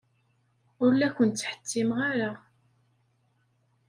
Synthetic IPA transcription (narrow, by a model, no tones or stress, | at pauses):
ʊɾlækʷːənt̪t͡sːħə̥t͡sːimʁaɾa